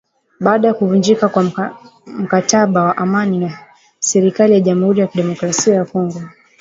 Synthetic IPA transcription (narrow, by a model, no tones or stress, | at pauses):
ɓaːɗajakuvund͡ʒikakwa | m̩kataɓawaʔamanina | sɛɾikalijaʄamuhuɾijakiɗɛmɔkɾasiajakɔŋɡɔ